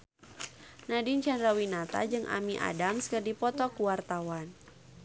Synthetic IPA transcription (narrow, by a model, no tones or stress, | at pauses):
nadint͡ʃandɾawinat̪a̰d͡ʒɨŋʔa̰miʔa̰damskərdipɔt̪ɔkuwart̪awan